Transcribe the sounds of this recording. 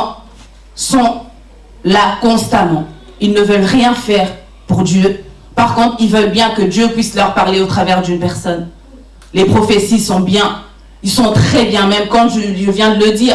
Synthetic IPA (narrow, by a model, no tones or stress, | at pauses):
sɔ̃ | lakɔ̃st̪amɑ̃ | ilnəvœlʁjɛ̃fɛʁ | puʁd̪jø | paʁkɔ̃t̪χilvœlbjɛ̃kəd̪jøpɥislœʁpaʁleot̪χavɛʁd̪ynpɛʁsɔn | lepχɔfesisɔ̃bjɛ̃ | ilsɔ̃t̪χɛbjɛ̃mɛmkɑ̃ʒəʒəvjɛ̃d̪ələd̪iːʁ